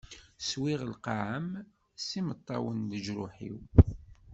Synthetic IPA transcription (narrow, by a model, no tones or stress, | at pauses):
swiʁəlqɑʕəm | simət̪ˤːɑwənd̪əʒɾʊħḭw